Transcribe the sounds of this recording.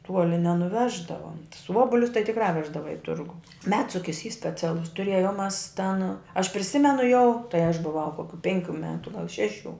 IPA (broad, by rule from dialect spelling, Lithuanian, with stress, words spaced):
ˈtuɔlʲɪ nʲɛnʊˈʋʲæːʒdɐʋɐ tʊs ˈuɔbʊlʲʊs tɐɪ tʲɪkrɑː ˈʋʲæːʒdɐʋɐ ɪ ˈtʊrɡʊ ˈmʲæːtsʊkʲɪs iː sʲpʲɛˈt͡sʲæːlˠʊs tʊˈrʲeːjoːm ˈmɐs tʲɛn ɐʃ pʲrʲɪˈsʲɪmʲɛnʊ jɛʊ tɐɪ ɐʃ bʊˈʋɐʊ ˈkoːkʲʊ ˈpʲɛŋʲˌkʲuː ˈmʲæːtʊ ɡɐlˠ ˈʃʲæːˌʃʲuː